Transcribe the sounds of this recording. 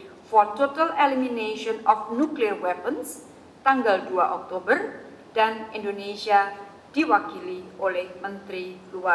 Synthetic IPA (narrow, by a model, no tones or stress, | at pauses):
fɔrt̪ot̪alelimineʃɔnɔfnukliərwɛpəns | t̪aŋɡald̪ua̰ʔɔk̚t̪obər | d̥anindonesia | d̪̥iwakiliolɛhmənt̪ɾiluwa